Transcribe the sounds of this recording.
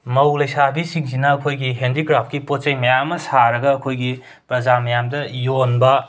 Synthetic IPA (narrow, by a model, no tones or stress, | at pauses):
mɐwlɐjsabisiŋzinɐːkʰojɡiɦendikɾap̚ʰkipot͡ʃɐjmɐjamɐsaɾɐɡɐːkʰojɡi | pɾɐzamɐjamdɐjonbɐ